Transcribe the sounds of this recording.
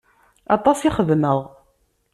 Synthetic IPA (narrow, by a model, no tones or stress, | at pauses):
ɑ̰t̪ˤɑsiχəðməʁˤ